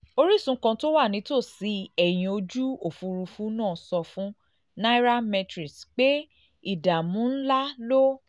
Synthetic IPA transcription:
o˧ɾi˦˨sũ˧˦kã˧to˦wa˦˨nĩ˨˦to˦˨si˨˦ɛ˨j̃ĩ˧o˧d͡ʒu˦o˦˨fu˧ɾu˧fu˦nãː˦˨sɔ˧fũ˦ | na˦i˦ɾa˦mɛ˧tɾi˨sk͡pe˦ | i˦˨da˨mũ˨˦n̩˦la˦lo˦

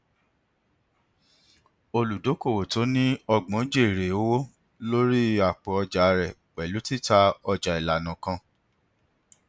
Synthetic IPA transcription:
o˧lu˨do˨˦ko˦˨wo˨to˨˦nĩ˦ɔ˧ɡ͡bɔ̃˨˦d͡ʒe˦˨ɾe˨o˦wo˦ | lo˦ɾi˦a˨k͡pɔ˨ɔ˧d͡ʒa˨˧ɾɛ˨ | k͡pɛ˨lu˨˦ti˦˨ta˧ɔ˧d͡ʒa˨i˨la˨nã˨kã˧

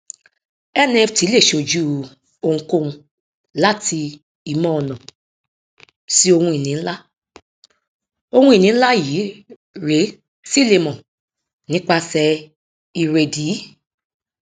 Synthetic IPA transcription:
ɛ˦˨nɛ̃˦˧fti˨˦le˦˨ʃo˧˨d͡ʒu˦ | o˧ŋ̩̃˧ko˦˨ũ˧ | la˦tʰi˧ | i˨mɔ̃˦ɔ˨nɔ̃˨ | si˦o˧hũ˧i˨nĩ˨˦la˦ | o˧hũ˦i˨nĩ˨˦n̩˦la˦jiː˨˦ | ɾe˨˦ | si˦le˧mɔ̃˨ | nĩ˨˦k͡pa˧sɛ˧ | i˨ɾe˧˨diː˨˦

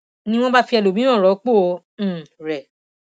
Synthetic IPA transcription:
nĩ˦w̃ɔ̃˦ba˦fi˧ɛ˧lo˨mĩ˨˦ã˦˨ɾɔ˨˦k͡põ˦˨˧ | ɾɛ˨

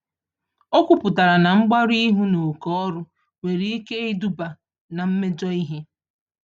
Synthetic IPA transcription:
o˦kʷu˨pʊ˨ta˨ɾa˨na˨ŋ͡m̩˦ɡ͡ba˦ɾi˦ɦu˦no˨kɔ˦ɾʊ˦ | ŋʷe˨ɾi˦i˦ke˦ɪ˦du˦ba˨ | na˨m̩˦me˦d͡ʒɔ˦i˦ɦe˦

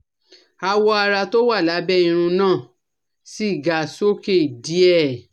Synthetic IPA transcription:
a˧wɔ˦a˧ɾa˧to˦wa˦˨la˨˦bɛ˦ĩ˧ɾ̃ũ˧nãː˦˨ | si˦i˦˨ɡa˨so˦ke˦˨i˨di˨˦ɛ˦˨

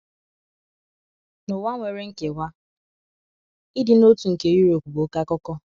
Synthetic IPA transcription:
no˨wa˦ŋʷe˨ɾe˦ŋ̩˦ke˨wʷa˦ | i˦di˨no˦tu˨ŋ̩˨ke˨ju˦ɾo˨kʷu˨bo˨˦ka˦kɔ˦kɔ˦

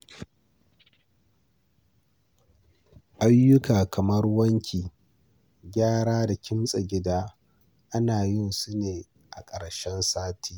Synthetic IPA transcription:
ʔa˦jːʊ˦kaː˨kʰɐ˨mɐ˦rwɐ˦ŋkʲʰiː˨ | ɡʲaː˦ɽaː˦da˨kʲʰɪ˦msʼɐ˨ɡʲɪ˦daː˦ | ʔa˦naː˨jɪ˦˨nsu˦neː˨ | ʔa˨kʼɐ˨ɽʃɛ˦nsaː˦tʰi̥ː˦

